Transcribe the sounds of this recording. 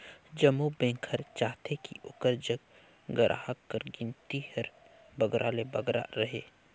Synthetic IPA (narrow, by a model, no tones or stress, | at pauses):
d͡ʒɐmubẽːŋkʰəɾt͡ʃaːt̪ʰekḭʊkəɾd͡ʒəɡ | ɡəɾʔa̰ːɦəkːəɾɡɪnt̪ihəɾ | bəɡɾʔaːlebəɡɾa̰ɾɐɦeː